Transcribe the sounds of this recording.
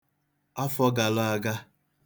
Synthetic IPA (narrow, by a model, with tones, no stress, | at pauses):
a˦fɔ˦ɡa˨la˦a˦ɡa˦